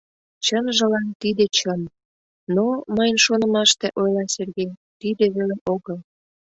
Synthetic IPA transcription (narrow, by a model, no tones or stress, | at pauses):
t͡ɕənʒə̆lɑnt̪id̪et͡ɕən | noməjənʃonə̆mɑʃt̪eʔojlɑserɣejt̪id̪eβeleʔoɣəl